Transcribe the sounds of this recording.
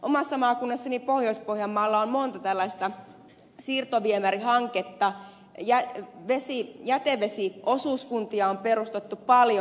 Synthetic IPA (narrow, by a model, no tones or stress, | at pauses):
ʔomɑsːɑmɑːkunːɑsːɑnipohjoispohjɑmːɑːlːɑommont̪ɑt̪ælːɑist̪ɑ | siːrt̪oʋiemærihɑŋket̪ːɑ | jæʋesijæt̪eʋesiʔosuˑːskunt̪iɑomperust̪et̪ːuppɑljo